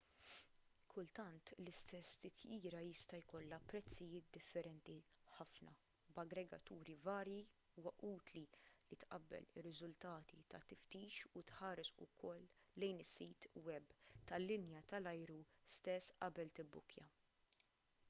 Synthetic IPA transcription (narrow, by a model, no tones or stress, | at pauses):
kʰʊlt̪ɐnt̪lɪst̪ɛst̪ɪt̪ʰjiːɾɐjɪst̪ɐjkɔlːɐpɾɛt͡sːɪjɪːt̪̚d̪ɪfːɛɾɛnt̪iħɐfnɐ̰ | bɐɡɾɛɡɐ̰t̪uːɾivɐːɾji | uːwɐʔuːt̪lilit̪ʔɐbːɛ̰lɪrːɪzʊlt̪ɐːt̪it̪ɐt̪ɪft̪iːt͡ʃut̪ħɐːɾɛsʊ̰kʰɔlːɛjnɪsːiːt̪wɛbt̪ɐlːɪnjɐt̪ɐlɐjɾust̪ɛsːʔɐbɛlt̪ɪbːʊkjɐ̰